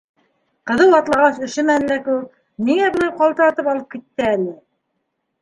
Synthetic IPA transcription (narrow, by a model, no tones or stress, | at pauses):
qɤ̆ðɤwɑt̪lˠɑʁɑsɵ̆ʃɘmænlæku | miŋæbɤ̆nɑqɑlˠt̪ɤ̆ɾɑt̪ɤpɑlˠɤp̚kit̪ːɘænɘ